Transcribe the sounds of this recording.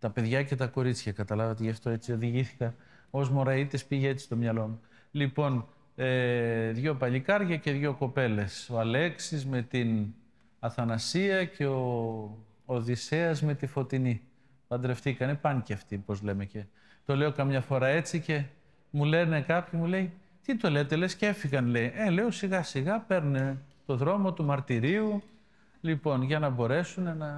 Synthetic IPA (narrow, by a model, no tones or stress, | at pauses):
t̪ɐpe̞ðʝɐce̞t̪ɐko̞ɾit͡sçɐkɐt̪ɐlɐvɐt̪eʝɐft̪o̞e̞t͡sio̞ðiʝiθi̥kɐ | o̞zmoɾɐit̪ispiʝeet̪t͡sist̪o̞mɲɐlo̞mu | lipo̞n | eðʝo̞pɐʎikɐɾʝɐce̞ðʝo̞ko̞pe̞le̞so̞ɐle̞ksizme̞t̪in | ɐθɐnɐsiɐce̞o̞ː | ðise̞ɐzme̞t̪ifo̞t̪ini | pɐnd̪ɾe̞ft̪ikɐnepɐnciɐft̪ipo̞zle̞me̞ce̞ | t̪o̞le̞o̞kɐmɲɐfo̞ɾɐe̞t͡sice̞ | mule̞ne̞kɐpçimule̞ij | t̪it̪o̞let̪e̞le̞scee̞fiɣɐnle̞iele̞osiɣɐsiɣɐpe̞ɾnet̪o̞ðɾo̞mo̞t̪umɐɾt̪iɾiu | lipo̞nʝɐnɐbo̞ɾe̞sunenɐ